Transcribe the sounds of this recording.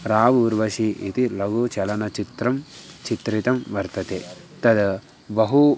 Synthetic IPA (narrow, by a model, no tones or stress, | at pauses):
ɾaːʋuːɾʋɐʃiʔḭt̪ilɐɡut͡ʃɐlɐnɐt͡ʃit̪ɾɐmt͡ʃit̪ɾit̪ɐmʋɐɾt̪ɐt̪eː | t̪ɐd̪ | bɐɦu